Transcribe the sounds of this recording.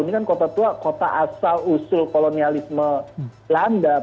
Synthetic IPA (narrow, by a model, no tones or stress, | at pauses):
nikankot̪at̪uakot̪a̰ʔasalusʊlkolonialismə | landa